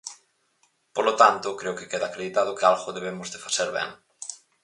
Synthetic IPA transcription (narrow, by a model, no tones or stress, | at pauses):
polot̪ant̪ʊkɾeokekeðaːkɾeðit̪að̞ʊkealɣoðeβ̞emozðefḁseɾβɛ̰ŋ